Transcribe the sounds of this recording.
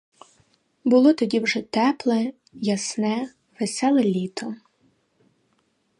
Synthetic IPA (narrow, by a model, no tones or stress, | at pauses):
bʊlˠɔt̪ɔdʲiwʒɛt̪ɛplˠɛ | jɐsnɛ | ʋesɛlˠɛlʲit̪ɔ